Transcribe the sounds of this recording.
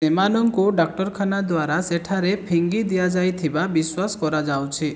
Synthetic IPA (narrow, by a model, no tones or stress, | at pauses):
emanɔŋkuɖak̚ʈɔɾkʰanad̪waɾaseʈʰaɾepʰiŋɡid̪ijad͡ʒajt̪ʰibabiswaskɔɾad͡ʒawt͡ʃʰi